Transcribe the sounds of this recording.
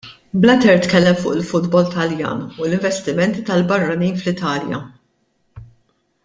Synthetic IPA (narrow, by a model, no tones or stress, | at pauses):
blɐt̪ɛɾt̪kɛlːɛmfʊːʔɪlfʊd̪bɔlt̪ɐljɐ̰ːnulɪɱvɛst̪ɪmɛnt̪it̪ɐlbɐrːɐniːnflɪt̪ɐːljɐ̰